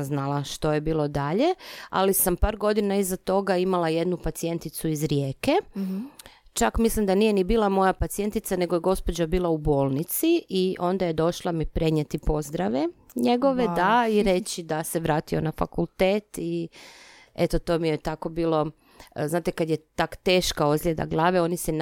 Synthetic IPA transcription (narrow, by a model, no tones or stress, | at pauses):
znalaʃt̪o̞jebiːlˠo̞d̪aʎea̰lisampaːɾɡo̞d̪inaizat̪o̞ɡaimalˠaje̞d̪nupat̪sie̞nt̪it̪suizɾje̞ːke | t͡ʃakmislimd̪anijenibiːlˠamo̞japat̪sie̞nt̪it̪sane̞ɡojeɡo̞spod͡ʑabiːlˠaubo̞ːlˠnit̪siʔiʔo̞nd̪aje̞d̪o̞ʃlˠamipɾe̞ɲet̪ipo̞zd̪ɾaʋe | ɲeɡo̞ʋed̪aiɾe̞t͡ɕid̪aseʋɾaːt̪ionafa̰kulˠt̪eːt̪i | et̪ot̪o̞mijet̪ako̞biːlˠo̞ | znaːt̪ekad̪jet̪akt̪eːʃkaozljed̪a̰ɡlˠaːʋeo̞nisɛ